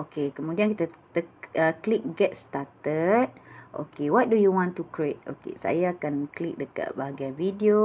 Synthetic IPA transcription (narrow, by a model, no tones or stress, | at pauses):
ʔokekəmũdiankit̪at̪əəklik̚ɡɛt̚st̪at̪ət̚ʔo̰kewɔt̪̚dujuwɔ̃nt̪ukɾiet̪̚o̰kḛsa̰jaːkanklik̚dəka̰t̚baɦaɡajvidio